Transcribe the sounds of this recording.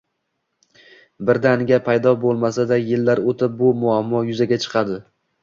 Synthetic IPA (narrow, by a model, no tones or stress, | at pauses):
bɪɾd̪anɡʲapʰajd̪ɒbolˠmasad̪ajɪlːaɾot̪ʰɪp̚bʊmʊamːɒjʊzaɡʲat͡ʃʰɨ̥qʰɑd̪ɪ